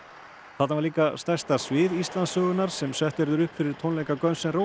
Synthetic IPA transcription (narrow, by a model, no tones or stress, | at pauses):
θat̪avaɾliːkast̪ɛr̥st̪asvɪðist̪lansœːɣʏnaɾ̥sɛmsɛht̪ɛɾðʏɾʏhpfɪɾɪɾ̥t̪ʰownlejkakœnsɛnro